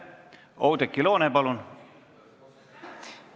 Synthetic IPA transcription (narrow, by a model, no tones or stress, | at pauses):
owd̪ekːilo̞ːnepɑlun